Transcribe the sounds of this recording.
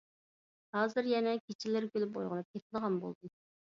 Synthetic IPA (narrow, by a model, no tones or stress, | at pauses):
hɑːzɨɾjɛnɛkʲʰet͡ʃʰɪlɪɾkʲølypo̰jʁənɨp̚kʲʰet̪̚ʰɪləʁɑnbo̰lˠd̪ɨ